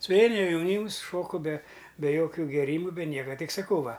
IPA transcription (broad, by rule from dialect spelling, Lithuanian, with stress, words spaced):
sʊˈʋʲɛɪnɐ jɛˈnʲiːms ˈʃoːkʊ bʲɛ bʲɛ ˈjoːkʲʊ ɡʲeːˈrʲiːmʊ bʲɛ ˈnʲiɛkɐ ˈtʲɪk sɐˈkɐʊ ˈʋɐ